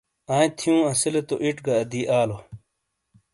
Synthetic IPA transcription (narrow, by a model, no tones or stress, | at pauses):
ãːt̪ʰijũːɐsilet̪oʔiʈɡɐɐd̪iːʔaːlo